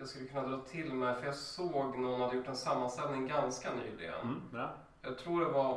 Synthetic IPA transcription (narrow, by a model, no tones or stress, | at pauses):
jɑaːskɵlːəkʰɵnːad̪ɾɑːt̪ʰɪlmɛjfœɾjɑɡsoːɡnæhʊnhad̪ːəjʊʈːɛnsamːanst̪ɛlnɪŋɡanskany̰ːlɪ̰ɡə̰n | jɑːɡ̚t̪ʰɾuːɖɛva